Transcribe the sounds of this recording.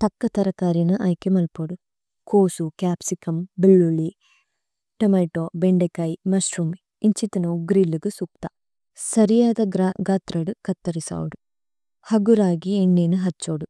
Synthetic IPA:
t̪ɐkːɐt̪ɐɾɐkaːɾinɨʔɐjkemɐlpoɽu | koːsukaːpsikɐmbilːuli | ʈɐmɐjʈoːbeɳɖekɐjmɐsɾum | iɲt͡ʃit̪ɐnɐuɡɾilːuɡɨsuk̚t̪ɐ | sɐɾijaːd̪ɐɡaːt̪ɾɐɽukɐt̪ːɐɾisa̰ːwuɽu | hɐɡuɾaːɡieɳːinɨɦɐt͡ʃːoːɽu

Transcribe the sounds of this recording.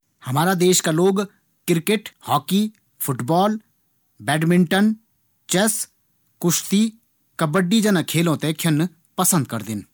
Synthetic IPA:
həmaːɾaːd̪eːʃkaːloːɡ | kɪɾkeʈhɔːkiː | pʰʊʈbɔːl | bɛːɖmɪɳʈən | t͡ʃɛs | kʊʃt̪iː | kəbəɖiːd͡ʒənãːkʰeːlõːt̪ẽːkʰənː | pəsə̃nd̪̚kəɾd̪ɪn

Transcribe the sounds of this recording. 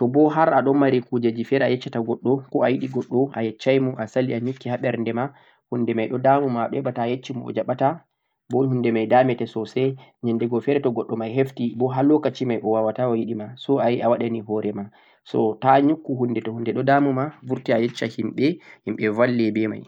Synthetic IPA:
tɔbɔɦaɾaɗɔmmːaɾikud͡ʒad͡ʒifɛɾajɛt͡ʃːataɡɔɗːɔkɔajiɗiɡɔɗːɔajɛt͡ʃːajmɔʔasaliaɲukːihaɓɛɾndɛma | hundɛmajɗɔdamumaɓɛɓataːjet͡ʃːimɔɔ̰d͡ʒaɓata | bɔhundɛmajdamɛtɛsɔsɛɲɛndɛɡɔfɛɾɛtɔɡɔɗːɔmajɦeftibɔɦalɔkat͡ʃimajʔɔwawatawajiɗimasɔajiawaɗaniɦɔɾɛma | sɔ̰taɲukːuhundɛtɔhundɛɗɔdamumavuɾtiajɛt͡ʃːahimɓɛhimɓɛvalːɛbɛma̰j

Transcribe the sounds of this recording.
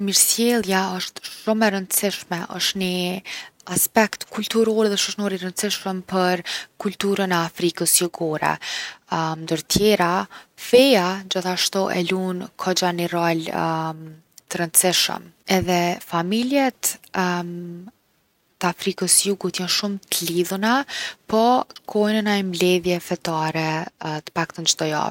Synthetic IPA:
miɾsjɛlˠjaɔʃt̪ʃumɛɾənd̪sɪʃmɛʔɔ̰ʃt̪nə | aspɛkt̪kʰult̪uɾɔɾðɛʃəʃnɔɾirənt̪sɪʃəmpəɾkult̪uɾənɛafɾikəsjuɡɔɾɛ̰ | nd̪əɾt̪ʰjɛɾafɛjad͡ʑəθaʃt̪ɔʔɛ̰lunkʰɔd͡ʑaniɾɔlm | t̪əɾənt̪siʃə̰mɛðɛfamiljɛt̪ | t̪əafɾikəsjuɡut̪janʃumt̪əliðunapɔkʰɔjnənajmblɛðjɛfɛt̪aɾɛt̪ə̥pak̚t̪ənd͡ʒd̪ɔja̰

